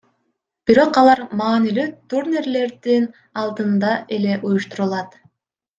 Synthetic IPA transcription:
b̥iɾo̞qɑlˠɑɾmɑːnilyt̪urnʲerle̞ɾd̪in | ɑlˠd̪ɯnd̪ɑʔe̞le̞ʔujuʃt̪uɾulˠɑt̪

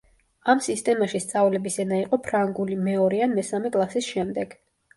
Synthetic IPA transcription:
amsist̪ʼɛmaʃist̪sʼavlɛbisɛnaiqʼɔpʰɾaŋɡulimɛɔɾianmɛsamɛkʼlˠasisʃɛmd̪ɛɡ̥

